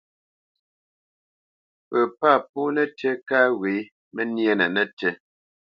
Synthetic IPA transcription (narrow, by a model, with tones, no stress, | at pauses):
pə˨pa˦˨p̚u˦nɛ˦tɛ˦ka˦ɣwe˨˦ | mɛ˦nje˦nɛ˨nɛ˦tɛ˦